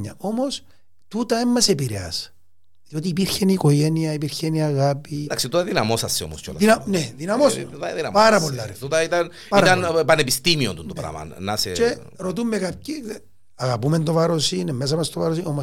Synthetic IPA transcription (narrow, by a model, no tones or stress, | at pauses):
ɐ̰o̞mo̞s | t̪ut̪ɐemːɐsepiɾeɐ̰s | ɐðiot̪iːpiɾçenikoʝeniɐipiɾçeniɐɣapid̪ɐksit̪ot̪ɐðinɐmosɐsːeo̰mosco̰lɐinɐneðinɐmost̪ɐðinɐpɐɾɐp̬olːɐɾt̪ut̪ɐit̪ɐn | pɐiɾt̪ɐnpɐnepist̪imiont̪unt̪opɾɐ̰mɐ̰nɐ̰sḛt͡ʃe | ɾot̪umːekɐp̚ci | ɐɣɐpumend̪ovɐɾosinemːes̬ɐmɐst̪ovaɾosinomo